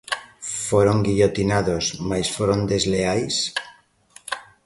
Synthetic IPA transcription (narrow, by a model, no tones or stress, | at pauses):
foɾoŋɡiʎot̪inaðosmajsfoɾond̪e̞zleajs